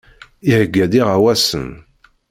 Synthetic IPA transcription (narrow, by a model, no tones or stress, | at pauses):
ihəɡːæðiʁawæsən